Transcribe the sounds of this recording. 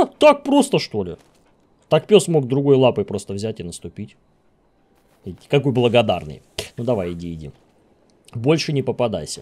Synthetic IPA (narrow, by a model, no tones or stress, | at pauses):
t̪ak̚pɾo̞st̪əʂt̪o̞lʲɪ̰ | t̪akpʲosmo̞ɡd̪ɾʊɡo̞jlˠapɨjpɾo̞st̪əvzʲætʲɪnəst̪ʊpʲitʲ | ɪkɐko̞jblˠəɡɐd̪a̰rnɨ̰j | nud̪ɐvajɪdʲiɪdʲḭ | bo̞lʲʂɨnʲɪpəpɐd̪ajsʲə